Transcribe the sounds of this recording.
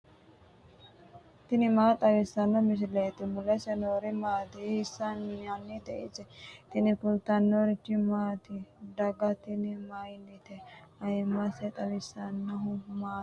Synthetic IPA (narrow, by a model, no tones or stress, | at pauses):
t̪inimat̪aʋisanːomis̬ilet̪imulesenoɾimat̪iisananːit̪eḭt͡ʃet̪inipult̪anoɾit͡ʃimat̪ʰiɖaɡat̪inimainit̪ʰeaimaset̪aʋisanːaɦũma